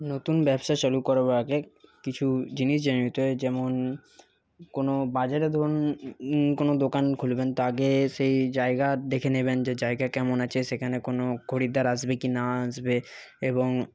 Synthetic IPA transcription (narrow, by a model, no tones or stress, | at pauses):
not̪unbɛbʃat͡ʃolukɔɾabaaɡekit͡ɕʰud͡ʑiniʃ̬d͡ʑanɾit̪oed͡ʑɛmon | konobad͡ʑaɾed̪ʱoɾn | konod̪okankʰulbent̪oaɡeʃejd͡ʑaeɡad̪ekʰenebend͡ʑed͡ʑaeɡakɛmonat͡ɕʰeʃekʰanekonoɡʱoɽid̪aɾaʃbekinaaʃbe | eboŋ